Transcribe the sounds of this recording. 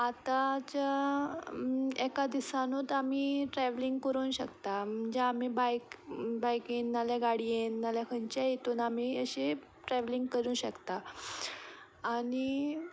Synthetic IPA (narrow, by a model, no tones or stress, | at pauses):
at̪at͡ɕja | ɛkad̪isanot̪amiːʈɾɛʋliŋɡkəɾuːnɕəkt̪am̤əɳd͡ʑeamibajkbajkennaljaɡaɽijenːaljakʰənt͡ɕajet̪oːnam̤iːəɕe | ʈɾɛʋliŋɡkəɾũːɕəkt̪a | ɽ̃i